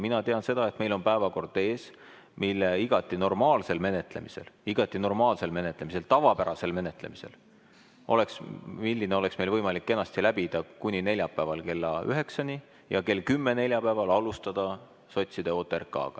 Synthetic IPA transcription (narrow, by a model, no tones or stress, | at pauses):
minɑt̪eɑnse̞d̪̥ɑe̞t̪me̞jlo̞npæe̞vɑko̞rd̪̥e̞ːs | milːeiɡ̥ɑt̪ˑːino̞rmɑːlse̞lme̞ne̞t̪ˑle̞̰mise̞̰liɡ̥ɑt̪ːˑino̞rmɑːlse̞lme̞net̪le̞mise̞lt̪ɑvɑpæɾɑse̞lme̞ne̞t̪ˑle̞̰mise̞̰l | o̞le̞ksmilʲːineo̞le̞ksme̞jlvɤjmɑlikːe̞nːˑɑst̪ilæbid̪̥ɑkunʲine̞lʲjɑpːˑæevɑlke̞lːɑyɦe̞ksɑnʲi | jɑke̞lkymːe̞ne̞lʲjɑpæevɑlɑlust̪ɑd̪̥ɑ | so̞t̪ʲsid̪̥e̞o̞ːt̪ːˑerkːˑɑ̰ːɡ̥ɑ